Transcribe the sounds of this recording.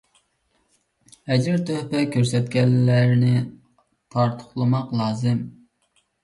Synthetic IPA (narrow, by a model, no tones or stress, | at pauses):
hɛd͡ʒɪɾt̪ʰøhpɛkʲʰøɾsɛt̪̚kʲɛlːæɾnɪ | t̪ʰɑɾt̪ʰʊ̥χlˠɨmɑqlˠɑːzɨm